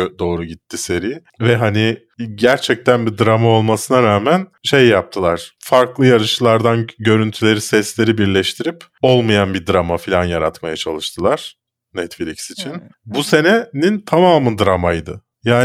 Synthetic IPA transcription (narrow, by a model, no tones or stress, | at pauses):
d̪o̞ːɾuɟit̪ːise̞ɾij | vɛɦanɪ | ɟæɾt͡ʃʰɛc̚t̪ʰænbid̪ɾamao̞lˠmasɯnaɾaːmænʃe̞jːap̚t̪ʰɯlˠaɾ̥faɾklˠɯjaɾɯʃɯlˠaɾd̪anɟø̞ɾynt̪ʰylʲe̞ɾisɛslʲe̞ɾibiɾlʲɛʃt̪ʰiɾip | o̞lˠmajanbid̪ɾamafilʲanjaɾa̰t̪majat͡ʃʰalˠɯʃt̪ʰɯlˠaɾ̥ | nɛt̪filʲiksit͡ʃʰinbuse̞nɛnint̪ʰamaːmɯnd̪ɾamajd̪ɯ | jaː